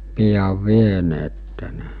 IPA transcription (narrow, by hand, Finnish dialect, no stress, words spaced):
pijɑʋ ʋieneːtːe ne